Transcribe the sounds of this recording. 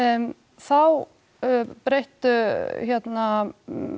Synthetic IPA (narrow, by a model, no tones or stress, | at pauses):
θaw | pɾejht̪ʏçɛt̪na